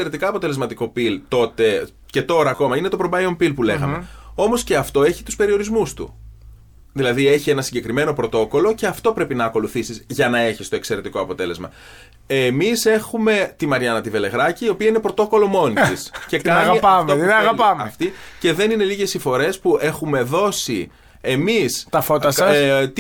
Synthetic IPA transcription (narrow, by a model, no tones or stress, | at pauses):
eɾet̪ikɐːpo̞t̪e̞lzmɐt̪iko̞pilt̪o̞t̪e̞ | ce̞t̪o̞ɾɐːko̞mɐine̞t̪o̞pɾombɐjompilpuleɣɐ̰mmeo̞mo̞sce̞ɐft̪o̞e̞çi̥t̪uspe̞ɾio̞ɾizmust̪ṵ | ðilɐðie̞çie̞nɐsiɲɟe̞kɾime̞no̞pɾo̞t̪o̞ko̞lo̞ce̞ɐft̪o̞pɾe̞pinɐːko̞luθisizʝɐnɐe̞çist̪oekse̞ɾe̞t̪iko̞ɐpo̞t̪e̞le̞zmɐ̰ | emise̞xume̞t̪imɐɾʝɐnɐt̪ive̞le̞ɣɾɐciːo̞piɐine̞pɾo̞t̪o̞ko̞lo̞mo̞nit̪isce̞kɐɐnɣɐipɐmot̪ɐɣɐpɐmɐeft̪ice̞ðe̞nine̞liʝe̞sifo̞ɾe̞spue̞xume̞ðo̞si | e̞mistt̪ɐfot̪ɐsɐst̪